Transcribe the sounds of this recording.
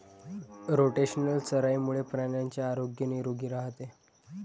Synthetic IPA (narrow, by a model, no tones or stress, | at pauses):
ɾoʈeɕənəlt͡səɾajmuɭepɾaɳjaɲt͡ɕjaːɾoɡjəniɾoɡiːɾaɦt̪e